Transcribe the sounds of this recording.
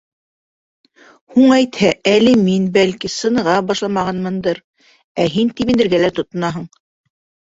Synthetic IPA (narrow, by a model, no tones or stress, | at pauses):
huɴæjt̪hæʔælɘminbælkisɤ̆nɤ̆ʁɑbɑʃlˠɑmɑʁɑnmɤ̆nd̪ɤɾ | æɦint̪iβĭnɘ̆ɾɡælæt̪ŏt̪nɑɦɤ̆ɴ